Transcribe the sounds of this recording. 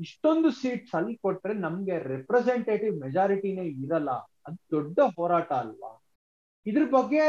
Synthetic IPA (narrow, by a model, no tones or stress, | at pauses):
iʂʈo̞nd̪usiːʈsɐlːkoʈːɾe̞nɐmɡe̞ɾɛpɾeseɳʈeːʈiʋmɛd͡ʒaːɾiʈine̞ːiɾɐlːɐ̰ | ɐd̪ud̪ɔɖːɐɦɔːɾaːʈɐːlːɐ̰ | id̪ɐɾɐbɐɡːe̞